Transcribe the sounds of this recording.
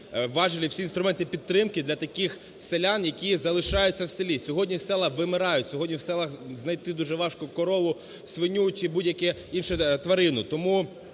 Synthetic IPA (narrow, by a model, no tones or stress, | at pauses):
ʋɑʒɪlʲɪwsʲinst̪ɾʊmɛnt̪ɪpʲidt̪ːɾɪmkɪd̪lʲɐt̪ɐkɪx | selʲanjɐkʲizɐlˠɪʃɑjʊt͡sʲːɐwselʲisʲɔɦɔdʲnʲiwsɛlˠɐxʋɪmɪɾɑjʊtʲsʲɔɦɔdʲnʲiwsɛlˠɐxznɐjt̪ɪd̪uʒɛʋɑʃkʊkɔɾɔʋʊ | sʋɪnʲut͡ʃɪbudʲjɐkɛinʃɛt̪ʋɐɾɪnʊt̪ɔmu